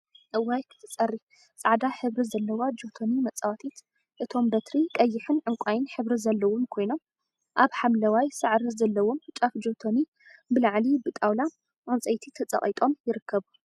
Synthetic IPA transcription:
ʔɨwajkʰɨ̥t̪ʰɨt͡sʼɐrːi | t͡sʼaʕd̪aħɨβɾizɐlːɐwad͡ʒo̞t̪ʰonimɐt͡sʼːawat̪ʰit̪ | ʔɨt̪ʰo̞mbɐt̪ɾikʼɐjːɪħɨnʕɨŋkʷʼajɪnħɨβɾizɐlːɐwomkʰo̞jno̞m | ʔaβħamlɐwajsɨʕɾizɐlːɐwomt͡ʃʼafd͡ʒo̞t̪ʰoni | bɨlaʕlibɨt̪ʼawla | ʔont͡sʼɐjt̪ʰit̪ʰɐt͡sʼɐ̰χʼit̪ʼomjɪɾɨkʰːɐβu

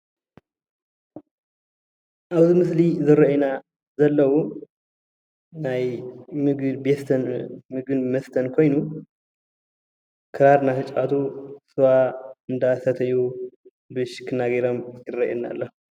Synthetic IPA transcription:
ʔaβzimɨslizɨɾɐʔena | zɐlːɐwu | najmbest̪ʰnmɨɡɨnmɐst̪ʰɐnkʰo̞jnu | kʰɨɾaɾnaʃɐt͡ʃʼat̪ʰusɨwaɨnd̪asɐt̪ʰɐju | bɨʃkʰɨnːaɡɐɾɐmjɪrːɐʔinːa̰lːɐhu

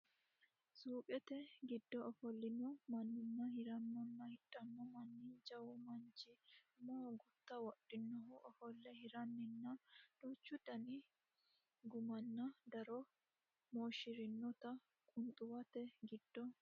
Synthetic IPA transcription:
suːpʼɛt̪ɛɡɪd̪ːɔɔfɔlːɪnɔmɐnːɪnːɐhɪɾɐnːɔnːɐhɪᶑɐnːɔmɐnːid͡ʒɐwʊmɐnt͡ʃɪmoːɡʊt̪ːɐwɔɗːɪnːɔhɔʔɔfɔlːɛhɪɾɐnːɪnːɐd̪̥oːt͡ʃːʊd̪ɐnɪ | ɡʊmɐnːɐd̪ɐɾɔ | moːʃɪɾɪnːɔt̪ɐ | kʼʊnt̪ʼʊwɐt̪ɛɡɪd̪̥ːɔ

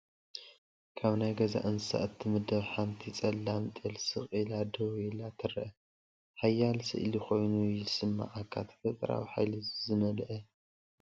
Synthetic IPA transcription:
kʰaβnajɡɐza̰ʔɨnsa̰ʔɨt̪ʰːimɨd̪ɐβħamt̪ʰit͡sʼɐlːamt̪ʼɨlsɨχʼilad̪owilat̪ʰɨɾɐʔɐ | ħajːalsɨ̰ʔɨlixo̞jnujɪsɨmːa̰ʕakʰat̪ʰfɐt̪ʼɾa̰wiħa̰jlizɨmɐlʔɐ

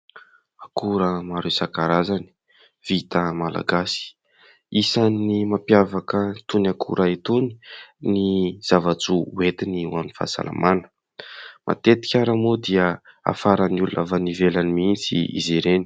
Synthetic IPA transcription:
akuɾəmaɾesakaɾazani̥ | v̥it̪əmala̰ɡasi̥ | isanimapjavakət̪unakʰṵɾʔaet̪uni̥niz̥avat͡suet̪iniwaminfa̰sa̰la̰manə̥ | mʔa̰t̪et̪i̥kʲaɾamod̪iəa̰faɾanulunʔa̰vanivelanimint͡sḭḭziɾeni̥

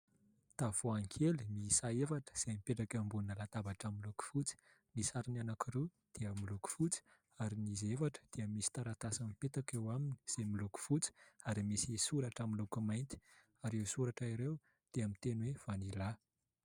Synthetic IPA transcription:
t̪av̥oaŋkʰelimisaefaʈ͡ʂə̥z̥ajmipeʈ͡ʂakambuinəlat̪abaʈ͡ʂamiluku̥fut͡si̥ | nisaɾinanakiɾe | d̪̥eəmiluku̥fut͡si̥ | aɾinizefaʈ͡ʂə̥d̪̥eəmisi̥t̪aɾat̪asamipet̪akewamini̥z̥emiluku̥fut͡si̥aɾimisisuɾaʈ͡ʂamilukumajnt̪i̥ | aɾewsuɾaʈ͡ʂaiɾew | d̪̥eamint̪enwev̥anila

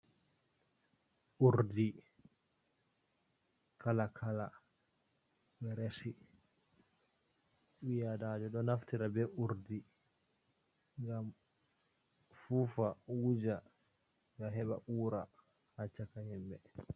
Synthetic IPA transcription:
ʔuɾdi | kʰalakʰala | ɓɛɾesi | ɓijadaːd͡ʒɔɗɔnaftiɾabɛʔuɾdi | ŋɡam | fufawud͡ʒa | ɡaɦɛɓa̰ʔuːɾa | hat͡ʃːakahɛmbɛ

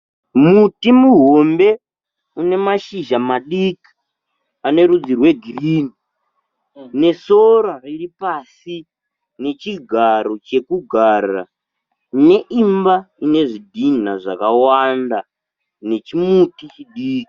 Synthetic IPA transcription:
mutimuɦombe̞ | une̞maʃiʒamaɗiki̥ | ane̞ɾud͡zirwe̞ɡʱiriːni | ne̞soɾariripasi | ne̞t͡ʃiɡʱaɾo̞t͡ʃe̞kuɡʱara̰ | ne̞ʔimbaine̞ʐidʱin̤aʐakawanda | ne̞t͡ʃimutit͡ʃiɗiːki̥

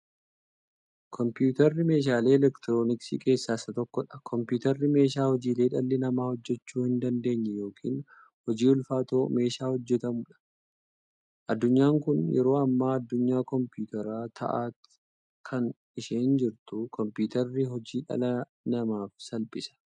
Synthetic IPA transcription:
kʰɔmpjuːt̪ɐrːɪme̞ːʃ̬aːle̞ːɛlɛkt̪ɪɾo̞ːnɪksḭke̞ːsːaːsɐt̪ɔkːɔᶑɐ̥kʰɔmpjuːt̪ɐrːɪme̞ːʃaːhɔd͡ʒiːleːᶑɐlːɪnɐmaːhɔd͡ʒːɛt͡ʃːuːhɪnd̪ɐnd̪e̞ːɲːɛjo̞ːkʰḭːn | hɔd͡ʒiːʊlfaːt̪oːme̞ːʃaːhɔd͡ʒːɛt̪ɐmʊᶑɐ̥ | ʔɐd̪ːʊɲːaːŋkʊnjɛ̰ɾo̞ːɐmːaːɐd̪ːʊɲːaːkɔmpjuːt̪ɐɾaːt̪ʰɐ̰ʔaːt̪ | kʰɐn | ɪʃeːnd͡ʒɪɾt̪ʊkʰɔmpjuːt̪ɐrːɪɦɔd͡ʒiːᶑɐ̰lɐ | nɐmaːfsɐlpʼɪsɐ̥

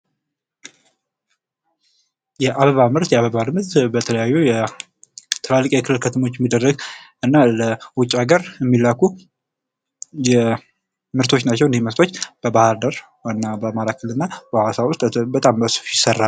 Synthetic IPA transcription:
jɛʔaβəβamɨɾt̪jɛaβəβalɨmɾt̪bət̪ʰələjajːujɛ | t̪ʰɨlalːkʼjɛkʰɨlɨlkʰət̪ʰəmo̞t͡ʃːɛmːid̪ərːəɡʔɨnːaləwʊt͡ʃʼːaɡəɾjɛmːilaku | jɛ | mɨɾt̪ʰo̞t͡ʃːnat͡ʃːɛwɨneməɾt̪ʰo̞t͡ʃːb̥əbahɨɾd̪əɾ | ɨnːabəmalakʰːəlɨnːabəwasaβwʊst̪bət̪ʼambəsu̥fjɪsərːal

